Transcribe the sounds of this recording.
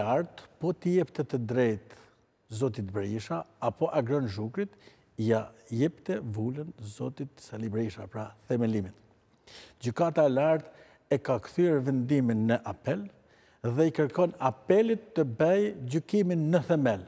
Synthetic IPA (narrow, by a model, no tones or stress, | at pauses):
aɾt̪pɔt̪əjɛpt̪ɛt̪əd̪ɾɛjt̪ | zɔt̪it̪̚bəɾiʃaːpɔʔaɡɾɔnʒukɾit̪ | jajɛpt̪ɛvulənzɔt̪it̪salibɾiʃapɾaθɛmɛlimit̪ | d͡ʑykat̪aɛlaɾt̪ | ɛkakθyɛɾvɛnd̪iminːəʔapɛl | ðɛikəɾkɔnapɛlit̪ːəbɛjd͡ʑykiminːəθɛmɛl